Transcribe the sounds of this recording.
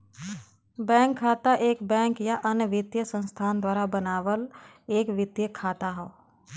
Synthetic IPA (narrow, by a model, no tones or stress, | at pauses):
bɛ̃ːŋkʰːaːt̪aʔeːkbɛ̃ːŋkjaʔənəʋɪd̪jəsə̃nst̪ʰaːnd̪waːɾabənaːʋəl | eːkʋɪd̪jəkʰːaːt̪aɦɛo